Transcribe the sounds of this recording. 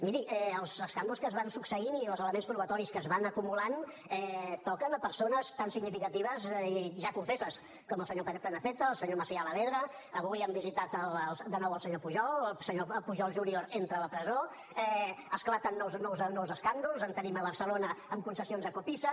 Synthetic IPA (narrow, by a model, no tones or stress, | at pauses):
miɾiʔɛəlˠzəskand̪ulˠskəzβansuksəinilˠzələmenspɾuβət̪ɔɾiskəzβanəkumulan | ɛt̪ɔkənəpəɾsonəst̪ansiɡnifikət̪iβ̞əziʒakuɱfesəs | kɔməlˠsəɲopplɛnəfet̪əːlˠsəɲoməsialəβeðɾə | əβujɛmbizit̪at̪əlˠd̪ənɔwəlˠsəɲopuʒɔlsəɲoəlˠpuʒɔlˠʒunioɾent̪ɾələpɾəzo | ɛəsklat̪ənːɔwznːɔwznːɔwzəskand̪ulˠzənt̪əniməβəɾsəlonəəmkunsəsionzðəkupisə